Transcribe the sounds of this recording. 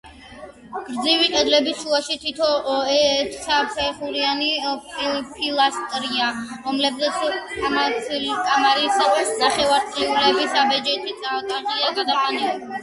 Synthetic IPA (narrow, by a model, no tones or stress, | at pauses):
ɡ̥ɾd̪ziviqʼɛd̪lɛbisʃuaʃit̪ʰit̪ʰɔɛɾt̪ʰi̥saptʰɛχuɾiani | pʰilˠast̪ʼɾiaɾɔmlɛbzɛt̪sʰkʰʼamailkʼamaɾisnaχɛvaɾt̪sʼiuɾɛbisabɛd͡ʒɛt̪ʰit̪sʼak̪ʼaʁiaɡad̪aχʼwanilɛb